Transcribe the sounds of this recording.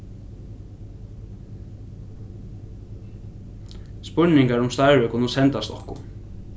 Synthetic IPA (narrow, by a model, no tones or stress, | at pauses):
spʏɹɳɪŋkaɹʊmst̪ɑɪɹʏkʰʊnʊsɛnt̪ɑst̪ɔ̰hkʊ̰